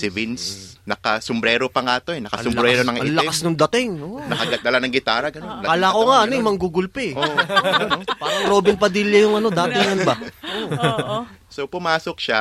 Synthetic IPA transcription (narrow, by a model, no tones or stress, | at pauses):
sɪvinsnɐkasombɾɛːɾopɐŋaːt̪oɛnɐkɐsʊmbɾɛɾonɐŋɐlɐasnʊŋd̪ɐt̪ɪŋonɐkɐɡɐt̪̚d̪ɐlanɐŋɡɪt̪aːɾɐɡɐnonɐalakoŋaʔɐnjmɐŋɡuɡʊlpɛ | paːɾɐŋp̪ɾoːbɪnpɐd̪iljɐjʊŋɐno̞d̪aːt̪ɪŋɐnbɐʔo | sopʊmaːsok̚ʃa